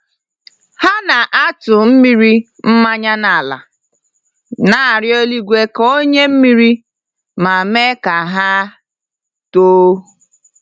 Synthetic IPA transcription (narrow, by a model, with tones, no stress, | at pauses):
ha˦na˨ʔa˦tʊ˨m̩˦mi˦ɾi˦ | m̩˦ma˦ɲa˦na˨la̰˨ | na˨ɾjo˦li˦ɡʷe˦ko˦ɲe˦m̩˦mi˦ɾi˦ | ma˨me˦ka˨ɦa˦ | toː˦